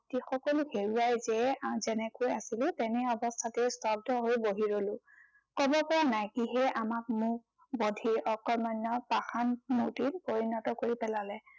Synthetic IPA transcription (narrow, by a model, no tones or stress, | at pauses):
tixɔkɔluheɹuajzɛzɛnɛkojasilɛtɛnɛɔbɔstʰatɛstɔb̚dʱɔɦojboɦiɹolʊ̃ | kɔbɔpɔɹanajkiɦɛʔamak̚muk | bɔdʱiɔkɔmanɔpaxanmutilpoɹinɔtɔkoɹipɛlalɛ